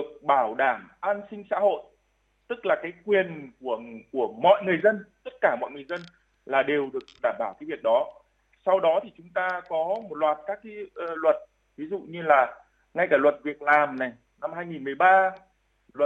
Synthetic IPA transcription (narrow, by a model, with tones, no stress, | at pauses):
ɗɨ˨˩ək̚ɓaː˧˩wɗaː˧˩mʔaː˧nsï˧ŋ̟sa̰ː˧˥ho̰˧˨j | t̪ɨ˦˥k̚laː˨˩kaː˨˦jkwi˨˩ənku˧˩əku˧˩əmɔ̰˧˨jŋɨ˨˩əjzə˧nt̪ə˦˥t̚kaː˧˩mɔ̰˧˨jŋɨ˨˩əjzə˧n | laː˨˩ɗe˨˩wɗɨ˨˩ək̚ɗaː˧˩mɓaː˧˩wkaː˨˦vi˨˩ək̚ɗɔ˨˦ | sa˧wɗɔ˨˦t̪ʰi˨˩t͡ɕʊ˨˦ŋ͡mt̪aː˧kɔ˨˦mo˨˩t̚lwaː˨˩t̚kaː˦˥kːa˨˦˧lwə˨˩t̚ | vi˨˦zṵ˧˨ɲɨ˧laː˨˩ | ŋa˧jkaː˧˩lwə˨˩t̚vi˨˩ək̚laː˨˩mna˨˩j | na˧mɦaː˧jŋi˨˩nmɨ˨˩əjɓaː˧ | lwə˨˩